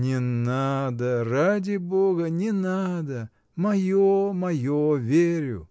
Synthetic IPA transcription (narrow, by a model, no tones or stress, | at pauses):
nʲɪnad̪əradʲɪboɡənʲɪnad̪ə | mɐjomɐjovʲeɾʲʊ̰